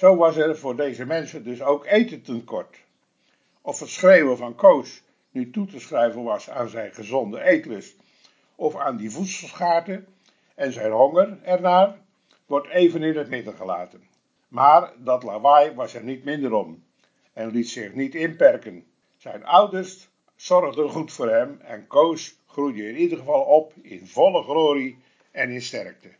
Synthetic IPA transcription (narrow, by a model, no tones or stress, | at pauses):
z̥owʋɑsɛrvʊːɹdejzəmɛnsəndɵsowkejtəntənkɔɹt | ʔɔfətsχrejwənvɑnkows | nytutəsχrɛjvənʋɑsa̰ːnzɛjnχəzɔndəʔejtələs | ɔfaːndivutsəlˠsχaːɹtə | ɛnzɛjnɦɔŋərɛrnaːr | ʋɔrtejvənɪnətmɪdənχəla̰ːtən | maːrdɑtlaʋɑjʋɑsɛrnitmɪndəɾɔm | ɛnlitsɪχnitɪnpɛrkən | z̥ɛjnʌwdəɹst | sɔrχdəχutfʊːrɦɛmɛ̰nkows | χrujdəɪnidərχəvɑlˠɔpɪ̰nvɔləχroːɾi | ɛnɪnstɛrk̚tə